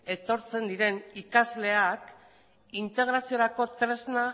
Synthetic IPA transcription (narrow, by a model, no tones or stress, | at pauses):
e̞t̪o̞ɾt͡se̞nd̪iɾe̞nikazle̞ak | int̪e̞ɣ̞ɾasio̞ɾako̞t̪ɾe̞zna